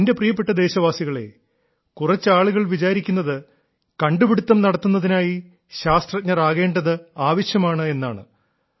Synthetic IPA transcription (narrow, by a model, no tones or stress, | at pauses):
inde̞prijɐp̬ːe̞ʈːɐd̪e̞ːɕɐʋaːsiɣɐɭe̞̰ | kurɐt͡ɕːɨaːɭuɣɐɭʋit͡ɕaːɾikʲːunːɐðɨ | kɐɳɖubiɽut̪ːɐmnɐɽɐt̪ːunːɐðinaːji | ɕaːst̪rɐt̚ɲːɐraːɣe̞ːɳɖɐðɨaːʋɐɕjɐmaːɳɨe̞nːa̰ːɳɨ̰